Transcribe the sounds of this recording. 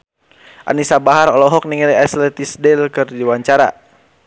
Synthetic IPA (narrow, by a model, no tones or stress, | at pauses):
ʔa̰nisabaɦaɾɔlɔɦɔk̚niŋiliaslɛt̪isdɛlkɨrdiwaɲt͡ʃaɾa̰